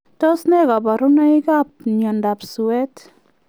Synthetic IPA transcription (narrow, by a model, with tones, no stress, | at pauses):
tɔ˦snɛ˦ka˨ba˨ɾuna˦ika˦p̚ɲɔ˨nda˨psuwɛ˦t